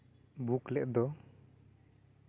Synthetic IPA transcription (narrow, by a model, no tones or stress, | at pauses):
buklɛʔd̪ɔ